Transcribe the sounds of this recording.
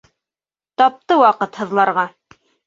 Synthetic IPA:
t̪ɑp̚t̪ɤwɑqɤt̪hɤ̆ðlˠɑɾʁɑ

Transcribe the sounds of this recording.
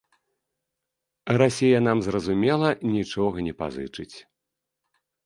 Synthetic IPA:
rasʲejɐn̪amzrɐzumʲɛlˠɐnʲit͡ʂɔɣɐnʲɛpa̰zɨt͡ʂɨt͡sʲ

